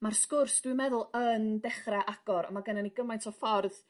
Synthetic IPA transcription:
marskʊrsd̥wɪmɛðʊlˠəndɛχraʔaɡ̥ɔɾɔ̰maɡənaniɡəmajntʰɔfɔrð

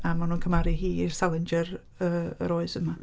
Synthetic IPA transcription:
amanuːnkʰəmaɾihiːir̥salˠənd͡ʒəɾ | əə̰ɾɔːɨzəma

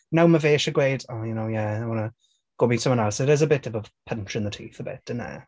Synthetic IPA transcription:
nawməveːʃəɡweːdɔjənoʊjæaɪwɔnə | ɡ̥oːmisə̃mwʌnɛlˠsɪɾɪzəbɪtəvəv̥pʰə̃nt͡ʃɹɪ̃nðətʰʉːθəbɪ̰t̚ə̃nə̰

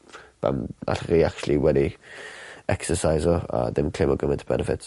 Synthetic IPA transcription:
b̥a̰ma̰ɬriakt͡ʃulˠiwɛdi | ɛksəsajzɔa̰dɪmkʰl̥ɪmɔɡəmɪntʰəb̥ɛ̰nɛfɪt

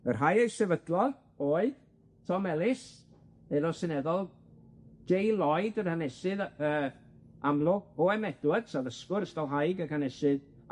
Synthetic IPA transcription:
ərɦajejsɛvədlˠɔ | oːɨð | tʰɔmɛlˠɪs | elɔsɪnɛðɔlˠ | d͡ʒ̥ejlˠɔjdərhanɛsɨðəː | amlˠʊɡɔɛmɛd̥wəd̥savəskʊɾəstɔlˠɦajɡəkʰanɛsɨð

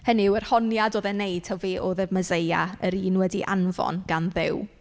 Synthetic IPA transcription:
həniwɛrhɔnjadoːðɛnejd̥tʰaveːʔoðɛməzejaəɾiːnwɛdiʔa̰nvɔ̰nɡ̥anðɪ̰w

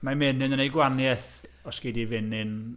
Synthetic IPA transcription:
mamɛnɨnənejɡwanjɛθ | ɔsɡ̥ɪdivɪnɨn

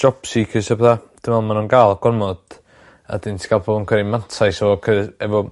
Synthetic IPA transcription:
ʃɔpsikʰəsɛbðad̥ɪmvɛlˠmanunɡaːlˠaɡ̥ɔrmɔd̥ | a̰dɪntʰi̥ɡalˠpʰoːbənkʰəɾimantʰajsɔɔkʰəɛvɔ

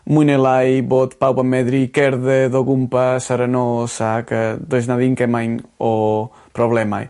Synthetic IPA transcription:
munelajbot̪pawpameðɾikɛɾðeðoɣumpasaɾanosakad̪ojznaðiŋkemajno | pɾoβlɛma̰j

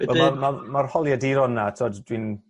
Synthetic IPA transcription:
ɛwɛlˠmamamarhɔlˠjadiɾɔnːatʰɔddwin

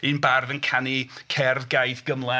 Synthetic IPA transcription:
ɨnbarðənkʰanikʰɛrðɡajθɡ̥əmlˠa

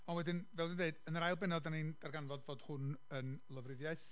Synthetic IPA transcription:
ɔnwɛdɪnvɛlˠdɪndeɨdənrajlˠbɛnɔdanind̥arɡanvɔdvoːd̥hʊnənlˠəvrɪðjaɨθ

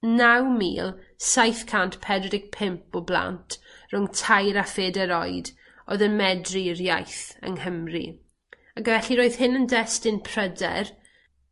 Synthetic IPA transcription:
nawmḭːlˠsajθkʰantpʰɛdɾɪk̚pʰɪmpɔblˠa̰ntʰrʊŋtʰajɾafeːdɛɾɔjd | o̰ðənmɛdrirjajθə̰ŋhəmrḭ | akvɛɬiɾoːɨð̥hɪnəndɛstɪnpʰr̥ədɛ̰r

